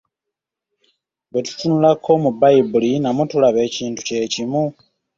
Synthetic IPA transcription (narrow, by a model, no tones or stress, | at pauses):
βetu̥tunulakʰo̞mubaibulinamutulaβe̞ːciːntu̥ce̞ːcimu